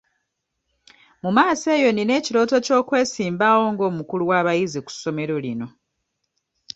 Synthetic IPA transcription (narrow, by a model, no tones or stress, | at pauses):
mumaːse̞ːjo̞nine̞ːciɾo̞ːto̞co̞ːkwe̞ːsiːmbawo̞ːŋɡo̞ːmukuluwaːβajiziku̥sːo̞me̞ɾo̞lino̞